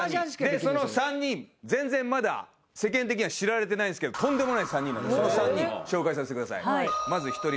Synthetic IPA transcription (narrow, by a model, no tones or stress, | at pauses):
d̪esso̞nosãɲ̟ːĩɴd͡zẽ̞nd͡zẽ̞mmad̪a̰ | se̞kẽ̞nt̪ek̬ʲiɲ̟iβaɕiɾaɾe̞t̪e̞naĩnesɨ̥ked̪o̥t̪õ̞nd̪e̞monaisãɲ̟ːĩnand̪sonosãɲːĩɕo̞ːkais̬asetekɯd̪asa̰ḭmazɨçi̥t̪o̞ɾʲi